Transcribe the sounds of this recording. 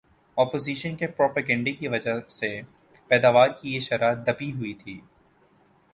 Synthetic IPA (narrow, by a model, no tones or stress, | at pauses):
ɔːpoːziːʃənkepɾɔːpaːɡɛ̃ːɳɖekiʋɐd͡ʒase | pɛːd̪aːʋaːɾkijeʃɐɾaːd̪ɐpiɦʊit̪ʰiː